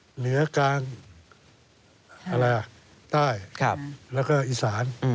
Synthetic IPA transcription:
nɯ˩˦ɐkaː˧ŋ | ʔa˧ɾa˧jʔa˨˩ʔ | t̪aː˥˩jkʰa˧˩lɛː˦˥˩wkɔː˥˩ʔiː˧˩saː˩˦n˧

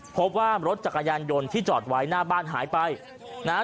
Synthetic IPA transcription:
pʰo˦˥p̚waː˥˩ɾo˦˥t̪̚t͡ɕa˨˩kːa˧jaː˧njo˧nt̪ʰiː˥˩t͡ɕɔː˨˩t̪̚wa˦˥jnaː˥˩baː˥˩nɦa̰ː˩˦jpa˧j | naː˦˥

